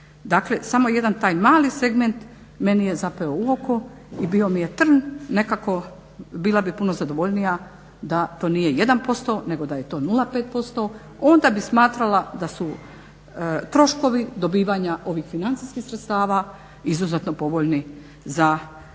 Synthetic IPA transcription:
d̪aːkle̞samo̞je̞d̪ant̪aːjmaːlise̞ɡme̞nt̪ | me̞nije̞zape̞ouo̞ko | ibio̞mije̞t̪r̩nne̞kako̞ | biːlabipuno̞zad̪oʋo̞ʎnija | d̪at̪o̞ːnije̞je̞d̪anpo̞st̪o̞ne̞ɡo̞d̪aje̞t̪o̞ːnulapeːt̪̚po̞st̪o̞ | o̞nd̪abismaːt̪ɾalad̪asu | t̪ɾo̞ʃko̞ʋid̪o̞biːʋaːɲaʔo̞ʋiːxfinant̪siskixsɾet̪st̪aːʋa | izuzet̪no̞po̞ʋoʎni | za

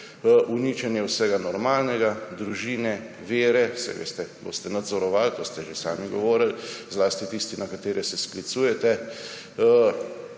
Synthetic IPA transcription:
ʔuniːt͡ʃɛnjɛwsɛɡanɔɾmaːlnɛɡad̪ɾuʒiːnɛ | ʋeːɾɛsɛ̰ʋḛːst̪ɛbo̰ːst̪ɛnad̪zɔɾɔʋalt̪ost̪ɛʒesa̰ːmiɡɔ̰ʋɔːɾəlzlaːst̪it̪ist̪inakat̪eːɾʔɛsɛsklit̪suːjɛt̪ɛ

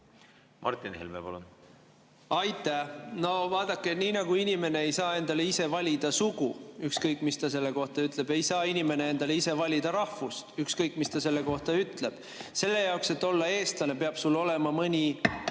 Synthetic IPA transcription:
mʔɑ̰ɾrt̪inhḛlmepɑ̰lun | ɑjt̪ːˑæhno̞vɑːd̪̥ɑkːeniːnɑɡuinʲime̞ne̞ejsɑːe̞nd̪̥ɑleise̞vɑlʲid̪̥ɑsuɡ̥uykskɤjkːˑmist̪ɑs̬e̞lːe̞ko̞ht̪ɑyt̪ˑle̞be̞jsɑːinime̞nee̞nd̪ɑleise̞vɑlʲid̪̥ɑɾɑhfust̪ykskɤjkːˑmist̪ɑse̞lːe̞ko̞ht̪ɑyt̪ˑle̞b̥ | se̞lːe̞jɑokse̞t̪ːˑo̞lːɑe̞ːst̪lɑne̞pe̞ɑb̥sulːo̞le̞mɑmɤnʲi

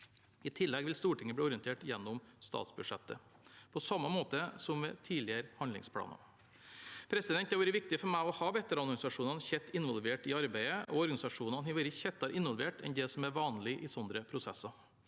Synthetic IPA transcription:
ɪt̪ʰɪlːɛɡʋɪlst̪uːʈʰɪŋːəbɽiːɔɾɪənt̪ʰeːʈjɛnːʊmst̪ɑ̰ːt̪sbʉ̥ʂɛt̪ːə | pʰɔsɑmːɑmoːt̪əsɔmʋɛːt̪ʰiːlɪəɾhɑnlɪ̰ŋspʰlɑ̰ːnɑ̰ | pʰɾɛsɪd̪ɛnt̪ːɑɾʋɛːɾəʋɪk̚t̪ɪfɔɾmæɪɔhɑːʋɛt̪ːəɾɑlɡɑnɪsɑʂuːnɑnçɛt̪ːɪnʋɔlˠʋeːʈɪɑɾbæɪəʔɔɔɾɡɑnɪsɑʂuːnɑnhɛʋɛːɾəçɛt̪ːɑɾʔɪnʋɔlʋeːʈɛ̰nd̪ɛsɔmæɾʋɑːnlɪʔɪsɔnd̪ɾəpʰɾʊsɛsːɑ

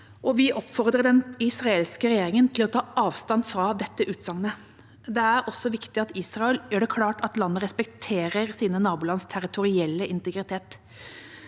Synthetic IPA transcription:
ʔɔʋɪʔɔpːfɔɾd̪ʁəɖɛnɪsɾɑeːlskəɾɛjeːɾɪŋənt̪ʰɪlɔt̪ʰɑːɑːʋst̪ɑnfɾɑd̪ɛt̪ːəʔʉːt̪sɑŋnə | d̪ɛæɾɔsɔʋɪkt̪ɪɑt̪iːsɾɑɛljøːɖɛkʰlɑːʈɑt̪lɑnːəɾʁɛspɛkt̪ʰeːɾəɾsiːnənɑːbʊːlɑnst̪ʰæɾɪt̪ʰʊɾɪɛlːəɪnt̪əɡɾɪt̪ʰeːt̪

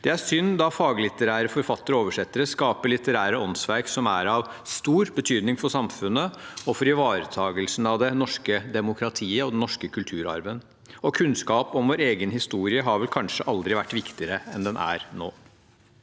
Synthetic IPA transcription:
d̪̥ɛæɾsʏnd̪ɑfɑːɡlɪt̪əɾæːɾəfɔɾfɑt̪ːəɾoːʋəʂɛt̪ːəɾəskɑːpəɭɪt̪əɾæːɾəɔnsʋæɾksɔmæɾɑʋst̪uːɾbət̪ʰyːd̪nɪŋfɔʂɑmfʉnːəɔfɔɾɪʋɑːɾət̪ʰɑːɡəlsn̩ɑʋd̪ɛnɔʂkəd̪ɛmʊkʰɾɑt̪ʰiːəɔd̪ɛnnɔʂkəkʰʉlt̪ʰʉːɾɑ̰ɾʋən | ɔkʰʉnskɑːpɔmʋoːɾeːɡənhɪst̪uːɾɪəɦɑɾʋɛlkʰɑnʂəʔɑld̪ɾɪʋæʈːʋɪkt̪ɪəɾəɛnd̪ɛnʔæ̰ɾno̰ː

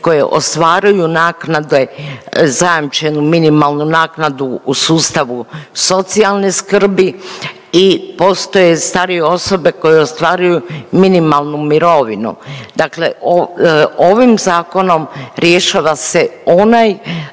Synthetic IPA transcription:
ko̞jḛʔo̞̰st̪ʋaːɾujunaːknad̪ezajamt͡ʃe̞numinimalˠnunaːknad̪uːsuːst̪aʋuso̞t̪sialˠneskr̩bi | ipo̞ːst̪o̞je̞st̪aɾijeo̞so̞be̞ko̞jeost̪ʋaːɾujuminimalˠnumiɾo̞ʋinṵd̪akle̞̰oo̞ʋimzaːko̞no̞mɾje̞ʃaʋase̞o̞naj

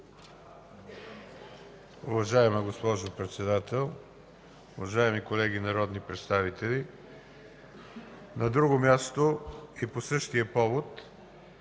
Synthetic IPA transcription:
ʊvɐʒaɛmɐɡospɔʒopɾɛt̪sɛd̪at̪ɛlˠ | ʊvɐʒaɛmikolɛɡinɐɾɔd̪nipɾɛt̪st̪avit̪ɛlʲi | nɐd̪ɾuɡomʲjast̪oiposɤʃt̪iəpɔvot̪

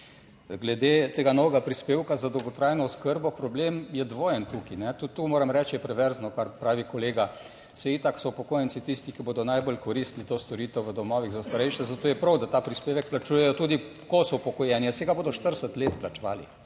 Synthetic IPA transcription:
ɡlɛd̪et̪eːɡanɔʋɛɡapɾispeːwkazad̪ɔwɡɔt̪ɾajnɔuskəɾbɔpɾɔbleːmjɛd̪ʋoːjənt̪ukinɛt̪ut̪ːumoːɾɐmɾɛt͡ʃjɛpɾɛʋɛɾznɔkaɾpɾaːʋikɔleːɡa | sɛiːt̪aksɔupɔkoːjənt͡ssit̪ist̪ikiboːd̪ɔnajbolkɔɾist̪lit̪oːst̪ɔɾiːt̪ɛwʋəd̪ɔmɔːʋiɣzast̪aɾɛjʃɛzat̪oːjɛpɾɐwd̪at̪aːpɾispeːʋɛk̚plat͡ʃuːjɛjɔt̪uːd̪ikɔsɔpɔkɔjɛːnjiɛsɛɡaboːd̪ɔʃt̪əɾsət̪leːt̪plat͡ʃʋaːlḭ

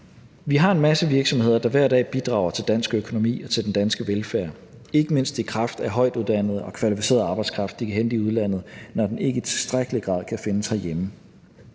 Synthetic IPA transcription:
ʋiɦɑ̈e̝nmæsəʋiɐɡ̥sɒ̽mhe̝ð̞̰ˠɐd̥ɑ̈ʋæɐ̰d̥ɛ̰ːb̥id̥ʁɑ̈ʊɐt͡sʰe̝ld̥æn̰sɡ̥økʰo̝no̝mḭːɒ̽t͡sʰe̝ld̥end̥ænsɡ̥əʋelfæɐ | e̝ɡ̥əme̝n̰sd̥ikʰʁɑ̈fd̥æɐɦɒ̽ɪ̰d̥uðˠd̥æn̰ð̩ˠɒ̽kʰʋælifise̝̰ːɐðˠɑ̈ːb̥ɑ̈ɪ̥skʰʁɑ̈fd̥ikʰæɦend̥iuð̞ˠlæn̰ð̩ˠnɒd̥ene̝ɡ̥əit͡sʰe̝sd̥ʁaɡ̥əliɡ̥ʁɑ̰̈ːð̰ˠkʰæfe̝nəshæɐjemə

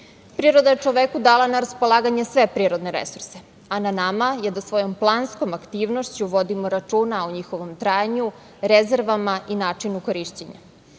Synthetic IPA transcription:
pɾiːɾod̪ajet͡ʂoʋekud̪aːlˠanaɾaspo̞lˠaːɡaɲesʋe̞pɾiːɾo̞d̪ne̞ɾḛsuɾse | ananamajed̪asʋo̞jo̞mplˠaːnsko̞makt̪iːʋnoʃt͡ɕuʋo̞d̪imoɾat͡ʂuːnaoɲixo̞ʋo̞mt̪ɾaːjɲu | ɾezeɾʋamaʔinaːt͡ʂinukoɾiʃt͡ɕeɲa̰

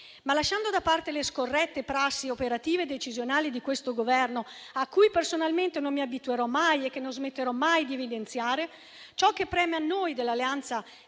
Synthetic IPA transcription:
malaʃːand̪od̪apːart̪eleskorːɛt̪ːepɾasːiopeɾat̪iːved̪et͡ʃizjonaːlid̪ikwest̪oɡovɛrno | akːujpersonalment̪enomːiabit̪ueɾɔmajekːenːozmet̪ːeɾɔmajd̪ievid̪ent̪sjaːɾe | t͡ʃɔk̟ːepːɾɛːmeanːojd̪elːalːeant̪sa

